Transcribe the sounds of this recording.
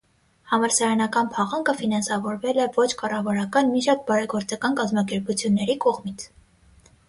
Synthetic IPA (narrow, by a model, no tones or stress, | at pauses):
hɑmɑɾsɑɾɑnɑkɑnpʰɑʁɑŋkəfinɑnsɑvɔɾvɛlɛvɔt͡ʃʰkɑrɑvɑɾɑkɑnmiʃɑt̪̚bɑɾɛɡɔɾt͡sɑkɑnkɑzmɑkɛɾput͡sʰjunːɛɾikɔʁmit͡sʰ